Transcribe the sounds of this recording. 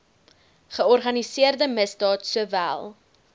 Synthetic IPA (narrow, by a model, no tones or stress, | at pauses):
χəɔrχɐnisiərdəməsdɑːtsuəvæ̰lˠ